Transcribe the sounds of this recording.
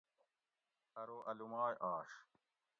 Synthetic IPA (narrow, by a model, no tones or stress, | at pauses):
ɐɾoːʔɐlumaːjʔaːɕ